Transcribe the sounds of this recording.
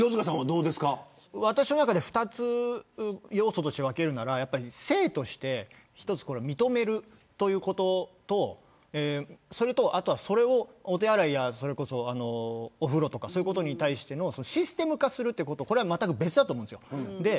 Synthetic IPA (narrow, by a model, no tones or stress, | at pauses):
oːzkas̬ãad̪o̞ːd̪e̞sɨ̥ka | βat̪aɕino̞nakad̪e̞ɸɯ̟̥t̪at͡sɨ | jo̞ːso̞t̪o̞ɕit̪eake̞ɾɯ̟naɾajapːaɾʲise̞ːt̪o̞ɕi̥t̪e̞ | çi̥t̪o̞t͡sɨ̥koɾe̞mʲit̪o̞me̞ɾɯ̟ | t̪o̞jɯ̟ːko̞t̪o̞t̪o̞ | eso̞ɾe̞t̪o̞ʔat̪o̞βaso̞ɾe̞o̞ːt̪e̞aɾaijaso̞ɾe̞ko̞so̞ano̞ːɸɯ̟ɾo̞t̪okasoːjiɯ̟kot̪oɲ̟it̪aiɕi̥t̪e̞noso̞no̞ɕisɨ̥t̪e̞mɯ̟kasɨɾɯt̪ːeiɯ̟kot̪oko̞ɾe̞βamat̪ːakɯ̟be̞t͡sɨd̪at̪omõnd̪sɨjod̪e̞